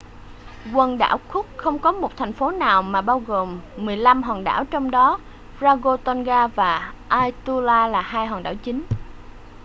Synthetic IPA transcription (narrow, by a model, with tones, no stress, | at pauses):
kwə˧nɗa̰ː˧˩wkʰʊ˦˥k̚xə˧wŋ͡mkɔ˨˦mo˨˩t̚t̪ʰɛ˨˩jŋ̟fo˨˦naː˨˩wmaː˨˩ɓaː˧wɣo˨˩mːɨ˨˩əjla˧mɦwaː˨˩ŋɗa̰ː˧˩wt͡ɕɔ˧wŋ͡mɗɔ˨˦ | zaː˧ɣo˧t̪ɔ˧nɣaː˧vaː˨˩ʔaː˧jt̪u˧laː˧laː˨˩ɦaː˧jhwaː˨˩ŋɗa̰ː˧˩wt͡ɕï˨˦ŋ